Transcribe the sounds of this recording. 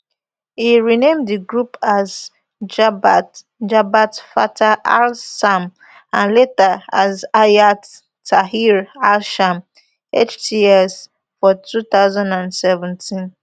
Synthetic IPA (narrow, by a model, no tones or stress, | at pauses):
hiɹinẽmdðiɡɹupaz | d͡ʒabat | d͡ʒabatfa̰tʰaʔalsam | ãnletaazajatː | aɦiɹalʃam | et͡ʃtʰiɛs | fɔtʰuθaʊzãndãndsɛvɛ̃ntʰĩn